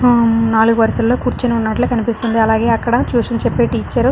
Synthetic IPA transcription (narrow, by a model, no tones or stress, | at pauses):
naːluɡuʋɐɾsɐlloːkuːɾt͡ʃinunːɐʈloːkɐnipist̪und̪iɐlaːɡe̞ːɐkːɐɽɐt͡ʃjuːʂɐnt͡ʃɛpːeːʈiːt͡ʃːaːɾu